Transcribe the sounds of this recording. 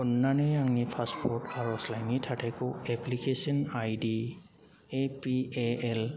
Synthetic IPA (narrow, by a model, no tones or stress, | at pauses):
ɔnːaneaŋnipʰaspʰɔɹtaɹɔslajnitʰatʰakɔɛplikesɔnajdi | epieɛl